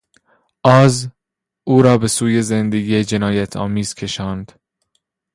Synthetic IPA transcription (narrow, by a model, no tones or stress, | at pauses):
ʔɒːz | ʔuːɾɒːbe̞suːjezend̪eɡiːed͡ʒenɒːjæt̪ʰɒ̰ːmiːz̥kʰe̞ʃɒːnd̪̥